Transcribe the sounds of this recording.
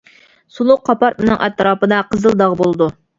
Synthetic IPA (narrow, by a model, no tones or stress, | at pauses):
sulˠʊqʰːɑpɑɾmɪnɪŋʔɛ̰t̪ɾɑːpɨd̪ɑqʰəzɨlˠd̪ɑʁbolˠd̪u